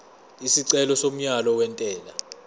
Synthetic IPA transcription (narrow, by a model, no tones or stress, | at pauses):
isiǀɛlɔsom̩ɲalɔwɛntʼɛːla